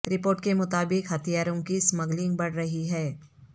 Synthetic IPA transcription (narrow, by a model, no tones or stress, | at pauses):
ɾɪpoːɾʈkemʊt̪aːbɪkɦɐt̪ijaːɾõkismɐɡlɪ̃ŋɡ̚bɐɽ̤ɾɐɦiɦɛː